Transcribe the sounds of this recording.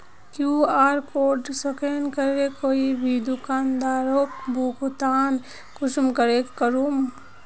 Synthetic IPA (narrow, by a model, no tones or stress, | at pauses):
kjuːaːɾkoːɖsəkenkəɾekoːibʱid̪ʊkaːnd̪aːɾoːk̚bʱokt̪aːn | kʊsmkəɾekəɾuːm